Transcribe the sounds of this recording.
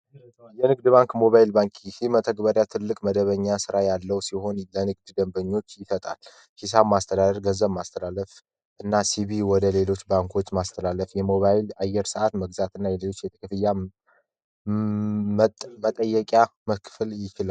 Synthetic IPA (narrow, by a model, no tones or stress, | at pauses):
jɛnɨɡd̪ɨbaŋkmo̞βajilbaŋkʼhimət̪ʰəɡbəɾjat̪ʰɨlːɨkʼməd̪əβəɲːasɨɾajalːəwsiɦo̞nlənɨɡ̚d̪d̪əmbəɲːo̞t͡ʃːjɪsət̪ʼa̰l | his̬abmast̪ʰəd̪ad̪əɾɡənzəbmast̪ʰəlalːəf | ʔɨnːasiβiwɔd̪əle̞lo̞t͡ʃːbaŋkʰo̞t͡ʃːmast̪ʰəlalːəfjɛmo̞βajilajːɛɾsəʔat̪məɡzat̪ʰɨnːajɛlelo̞t͡ʃːjɛt̪ʰɨ̥kʰɨfɨjːa | mət̪ʼəjːɛkʼjaməkʰfɨljɪt͡ʃila